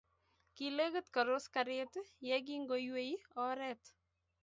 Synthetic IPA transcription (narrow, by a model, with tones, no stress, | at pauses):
ki˨le˦kə˦tka˨ɾo˦skaɾetjɛ˦k̬i˦ŋɡojwe˦jɔ˦ɾɛt